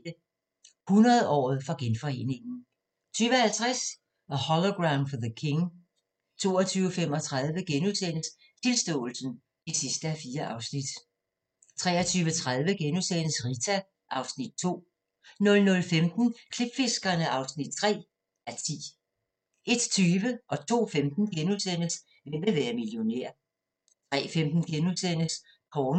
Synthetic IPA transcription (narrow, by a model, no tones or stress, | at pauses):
ə | hunɐð̩ˠɒ̰ːð̩ˠfɒ̽ɡ̥enfɒ̽e̝̰ne̝ŋn̩ | t͡sʰyːʋəhælt͡sʰʁas | ɒhɒloɡ̥ʁaʊnfɒðəkʰe̝ŋ | t͡sʰo̝̰ːɒt͡sʰyːʊəfem̰ɒ̽t͡sʰʁað̞ˠʋəɡ̥enuðˠsenəs | t͡sʰe̝lsd̥ɔ̰̽ːl̩sn̩ | isisd̥əæfiːɐʔɑ̈ʊsnid̥ | t͡sʰʁɛːɐt͡sʰyːʊət͡sʰʁað̞ˠʋəɡ̥enusenəsʁit͡sʰæ | ʔɑ̈ʊsnid̥̚t͡sʰo̝̰ː | nɔ̽lnɔ̽lfemd̥n̩kʰleb̥fe̝sɡ̥ɐnəʔɑ̈ʊsnid̥̚t͡sʰʁɛ̰ː | æt͡sʰḭː | e̝d̥t͡sʰyːʋəʔɒ̽t͡sʰo̝̰ːfemd̥n̩ɡ̥enuðˠsen̰əs | ʋḛʋeʋæːɐmiljo̝nḛɐ̰ | t͡sʰʁɛ̰ːfemd̥n̩ɡ̥enuðˠsen̰əs | kʰɒːn